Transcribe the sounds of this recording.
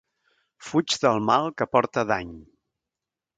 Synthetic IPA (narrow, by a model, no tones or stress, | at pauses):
fud͡ʒðəlˠmalˠkəpɔɾt̪əðaɲ